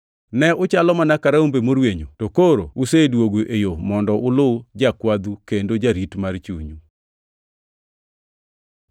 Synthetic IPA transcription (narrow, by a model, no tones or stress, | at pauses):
nɛʊt͡ʃalɔmanakaɾaumbemoɾweɲotokoɾo̰usedwoɡoʔejomɔndɔʔʊlʊd͡ʒakwad̪ukendod͡ʒaɾitmart͡ʃuɲu